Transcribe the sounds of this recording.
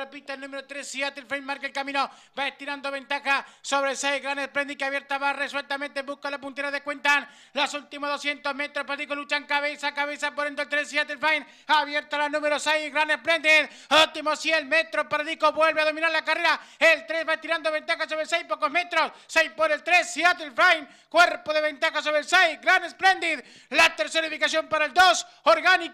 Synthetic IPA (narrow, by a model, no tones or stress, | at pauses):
repit̪elnũmeɾot̪ɾesːiat̪elfajnmaɾkaelkamĩno̞baeht̪iɾand̪oβe̞nt̪axaso̞βɾelsejzɣɾanesplend̪ikeaβje̞ɾt̪aβareswelt̪amẽ̞nt̪ebuskalapunt̪e̞ɾaðekwe̞nt̪an | lo̞sult̪imoðo̞sje̞nt̪o̞zme̞t̪ɾopaɾaðikolut͡ʃaŋkaβesakaβe̞sapoðend̪oelt̪ɾesiat̪elfajn | aβje̞ɾt̪alanume̞ɾosejzɣɾanesplend̪ið | ult̪imosjelme̞t̪ɾopaɾaðikoβwe̞lβeaðo̞mĩnaɾlakare̞ɾaelt̪ɾezβat̪iɾand̪oβe̞nt̪axaso̞βɾelsejpo̞ko̞zme̞t̪ɾo̞ssejpoɾelt̪ɾesːiat̪elfajn | kwe̞ɾpoðe̞βe̞nt̪axaso̞βɾelsejɡɾanesple̞nd̪ið | lat̪eɾseɾifikasjo̞mpaɾaeld̪o̞s | oɾɣanik